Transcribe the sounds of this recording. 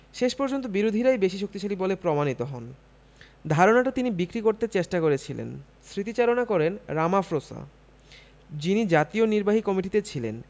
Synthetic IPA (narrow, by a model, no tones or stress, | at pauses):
ʃeʃpɔɾd͡ʑont̪̬obiɾod̪ʱiɾajbeʃiʃok̚t̪iʃalibɔlepɾomanit̪oɦɔn | d̪ʱaɾonaʈat̪inibikɾikoɾt̪et͡ɕeʃʈakoɾet͡ɕʰilḛn | sɾit̪it͡ɕaɾonakɔɾenɾamafɾosa̰ | d͡ʑinid͡ʑat̪ioniɾbaɦikɔmiʈit̪et͡ɕʰilḛn